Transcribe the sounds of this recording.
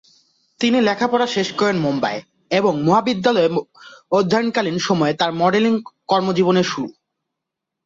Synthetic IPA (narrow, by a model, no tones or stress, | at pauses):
t̪inilɛkʰapɔɾaʃeʃkɔɾenmomba̰e | eboŋmoɦabid̪ːalɔeod̪ʱːaɾnkalinʃɔmɔet̪aɾmɔɖeliŋkɔɾmod͡ʑiboneʃuɾu